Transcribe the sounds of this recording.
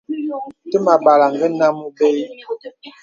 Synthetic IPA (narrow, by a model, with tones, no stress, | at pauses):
tə˦ma˨ba˨la˨ŋɡə˦na˦mu˦be˦j